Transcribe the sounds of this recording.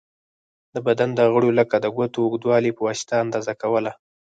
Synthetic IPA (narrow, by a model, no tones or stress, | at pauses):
d̪əbad̪and̪əɣəɽoləkad̪əɡʷat̪oːɡd̪wɑlipəwɑst̪aːnd̪ɑzakawəla